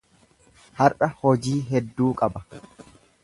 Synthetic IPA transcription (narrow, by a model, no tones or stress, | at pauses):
hɐɾʔɐhɔd͡ʒiːɦɛd̪ːuːkʼɐbɐ